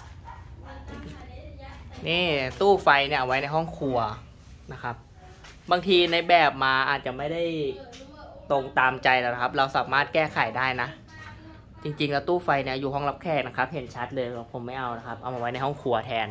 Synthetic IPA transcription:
niː˥˩t̪uː˥˩fa˧jni˥˩ʔa˧wa˦˥jna˧jɦɔ˥˩ŋkʰu˧ɐ | na˦˥kʰa˦˥p̚ | baː˧ŋt̪ʰiː˧na˧jbɛː˨˩p̚maː˧ʔaː˨˩t̪̚t͡ɕa˨˩ma˥˩jda˥˩j | t̪o˧ŋt̪aː˧mt͡ɕa˧jlɛː˧˩na˦kʰa˦˥p̚ɾa˧wsaː˩˦maː˥˩t̪̚kɛː˥˩kʰa˨˩jdaː˥˩jna˦˥ | t͡ɕi˧ŋt͡ɕi˧ŋlɛː˧˥˩t̪uː˥˩fa˧jni˥˩ɐjuː˨˩ɦɔ˥˩ŋla˦˥p̚kʰɛː˥˩k̚na˦˥kʰa˦˥p̚he˨˩˦nt͡ɕʰa˦˥t̪̚lɤː˧jpʰo˨˩˦mːa˥˩jʔa˧wna˦˥kʰa˦˥p̚ʔa˧wʔa˧wa˦jna˧jɦɔ˥˩ŋkʰu˧ɐt̪ʰɛː˧n

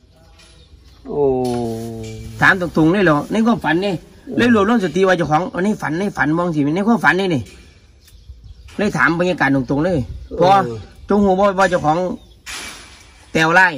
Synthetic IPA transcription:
t̪ʰaː˨˦mt̪̬ɔ˨ŋt̪u˨ŋləː˧˩˨lɛ˧˩wna˧˩˨kʰmfa˨˦nːe˧˨ | lɤː˧˨lu˧˨lŋs̬a˧˩t̪i˧˦waː˧t͡ɕa˧˩wkʰɔː˨˦ŋ˧na˧˥˨jfa˨˦nːa˧˩˨jfa˨˦nmɔː˧ŋs̬i˧˨˧n˧˨kʰuː˧˥˨fa˨˦nːaː˧˨ni˧˩ | laː˧˩˨jt̪ʰaː˨˦mbɔ˧˨ɲaː˧˨kaː˨ndɔ˨ŋt̪u˨ŋləː˧˥˨jpʰɔː˧t͡ɕo˧˦ŋhuː˧˩˦bɔː˧˩bɔː˧˨t͡ɕa˧˨kʰɔː˨˦ŋ | t̪ɛː˧wlaː˧˥˩j

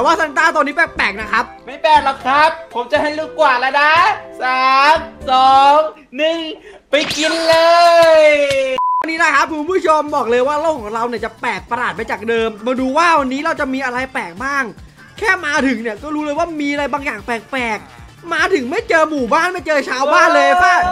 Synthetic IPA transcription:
t̪ɛː˨˩˦waː˥˩sa˧˥˦ŋt̪aː˥˩t̪o˧nːiː˦˥pɛː˨˩pɛː˨˩k̚na˦˥kʰɾa˦˥p̚ma˥˩jpɛː˨˩k̚lɔ˨˩kʰɾa˦˥p̚ʰːo˩˦mt͡ɕa˨˩ha˦˧˩jluː˧˩kwaː˨˩la˦˥na˦˥saː˨˩˦msɔː˨˦ŋ | nɯ˨˩ŋ | pa˧jki˧nlɤː˧jwa˧nːiː˦˥na˦˥kʰa˦˥p̚kʰu˧npʰuː˦˥˩t͡ɕʰo˧mbɔː˨˩k̚lɤː˧jwaː˥˩ɾoː˥˩ŋkʰːɔː˩˦ŋɾa˧wni˥˩ɐt͡ɕa˨˩pɛː˨˩k̚pa˧laː˨˩t̪̚ma˧jt͡ɕaː˨˩k̚dɤː˧mmɔː˧duː˧waː˥˩wa˧nːiː˦˥ɾa˧wt͡ɕa˨˩miː˧ʔa˧ɾa˧jpɛː˨˩k̚baː˥˩ŋ | kʰːɛː˥˩maː˧t̪ʰɯ˩˦ŋni˥˩ɐkɔː˥˩ɾuː˦˥lɤː˧jwaː˥˩miː˧ʔa˧ɾa˧jbaː˧ŋjaː˨˩ŋpɛː˨˩k̚pɛː˨˩k̚ | maː˧t̪ʰɯ˨˩˦ŋma˥˩jt͡ɕɤː˧muː˨˩baː˥˩nma˥˩jt͡ɕɤː˧t͡ɕʰaː˧wbaː˥˩nlɤː˧jpaː˥˩

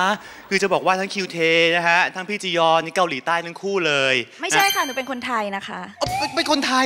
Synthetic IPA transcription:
kʰɯː˧t͡ɕa˨˩bɔː˨˩kwaː˥˩t̪ʰa˦˥ŋkʰi˧wt̪ʰeː˧n˦˥kʰa˦˥t̪ʰa˦˥ŋpʰiː˥˩t͡ɕi˧jɔː˧na˦˥ka˧wliː˩˦t̪aː˥˩jt̪ʰa˦˥ŋkʰuː˥˩lɤː˧jma˥˩jʰa˥˩jkʰa˥˩nɯː˦˥pe˧nkʰo˧nt̪ʰa˧jna˦˥kʰa̰˦˥ʔɔ˧˩pe˧nkʰo˧nt̪ʰa˧

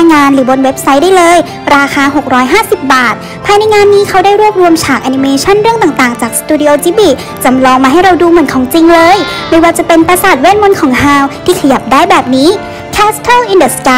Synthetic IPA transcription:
a˧ŋːaː˧nɾɯː˩˦bo˧nwe˦˥p̚sa˦˥jdaː˥˩jlɤː˧j | ɾaː˧xaː˧ɦo˨˩k̚ɾɔː˦˥jɦaː˥˩si˨˩p̚baː˨˩t̪̚ | pʰaː˧jna˧jŋaː˧nːiː˦˥kʰa˦˥wdaː˥˩jɾu˥˩p̚ɾu˧əmt͡ɕʰaː˨˩k̚ʔaː˧ni˧meː˧t͡ɕʰa˥˩˨nɾɯ˥˩əŋt̪aː˨˩ŋt̪aː˨˩ŋt͡ɕaː˨˩k̚st̪uː˧di˧ʔoː˧t͡ɕiː˦˥biː˨˩ | t͡ɕa˧mlɔː˧ŋmaː˧ɦa˥˩jɾa˧wduː˧mɯ˩˦ə˦nkʰɔː˩˦ŋt͡ɕi˧ŋlɤː˧jmɤː˧˥waː˧t͡ɕa˨˩pe˧npa˧sa˨˩t̪̚weː˥˩nmo˧˥nkʰɔː˩˦ŋɦaː˧˩wt̪ʰiː˥˩kʰa˧ja˨˩p̚daː˥˩jbɛː˨˩p̚niː˦˥ | kʰɛː˦˥st̪ʰa˥˩lʔi˧ndə˨˩ska˧˦

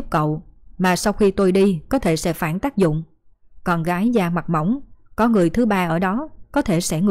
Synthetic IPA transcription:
p̚kə̰˧˨wmaː˨˩sa˧wxi˧t̪o˧jɗi˧kɔ˨˦t̪ʰe˧˩sɛ̰˧˥faː˧˩nt̪aː˦˥k̚zʊ̰˧˨ŋ͡m | kɔ˨˩nɣaː˨˦jzaː˧ma˨˩mə˧˥˩wŋ͡mkɔ˨˦ŋɨ˨˩əjt̪ʰɨ˨˦ɓaː˧ʔəː˧˩ɗɔ˨˦kɔ˨˦t̪ʰe˧˩sɛ̰˧˩ŋɨ˧

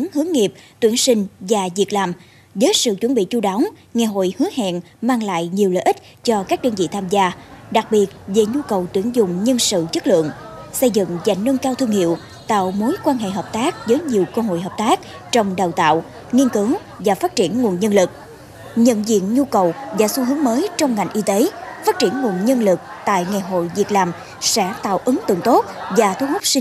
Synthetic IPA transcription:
ŋhɨ˨˦əŋːi˨˩əp̚t̪wi˧˩ənsï˧ŋ̟vaː˨˩zi˨˩ət̚laː˨˩m | zəː˨˦jsɨ̰˧˨t͡ɕwə˧˩nɓḭ˧˨t͡ɕu˧ɗa˨˦wŋ͡mŋɛ˨˩ɦo̰˧˨jhɨ˨˦əhɛ̰˧˨n | maː˧ŋla̰ː˧˨jɲi˨˩əwlə̰ː˧˨ʔi˦˥t̚ | t͡ɕɔ˧kaː˦˥k̚ɗəː˧nvḭ˧˨t̪ʰaː˧mzaː˧ɗa˨˩k̚ɓi˨˩ət̚ve˨˩ɲu˧kə˨˩wt̪wi˧˩ənzʊ˨˩ŋ͡mɲə˧nsɨ̰˧˨t͡ɕə˦˥t̚lɨ̰˧˨əŋsə˧jzɨ̰˧˨ŋza̰˧˨jŋ̟ːnə˧nkaː˧wt̪ʰɨ˧əŋhḭ˧˨əw | t̪a̰ː˧˨wmo˨˦jkwaː˧nɦḛ˧˨ɦəː˨˩p̚t̪aː˦˥k̚zəː˨˦jɲi˨˩əwkəː˧ɦo̰˧˨jɦəː˨˩p̚t̪aː˦˥k̚ | t͡ɕɔ˧wŋ͡mɗə˨˩wt̪a̰ː˧˨w | ŋi˧ənkɨ˨˦ŋ | vaː˨˩faː˦˥t̚t͡ɕi˧˩ənŋu˨˩ənɲə˧nlɨ˨˩k̚ | ɲə̰˧˨nzḭ˧˨ənɲu˧kə˨˩wzaː˨˩su˧hɨ˨˦ŋməː˨˦jt͡ɕɔ˧wŋ͡mŋa˨˩jŋʔi˧t̪e˨˦faː˦˥t̚t͡ɕi˧˩ənŋu˨˩ənɲə˧nlɨ˨˩k̚t̪a̰ː˧˨jŋa˨˩jɦo̰˧˨jvi˨˩ək̚laː˨˩m | sɛ̰˧˥t̪a̰ː˧˨wʔɨ˨˦ŋt̪ɨ̰˧˨ŋt̪o˦˥t̚vaː˨˩t̪ʰu˧ɦə˦˥k͡p̚si˧

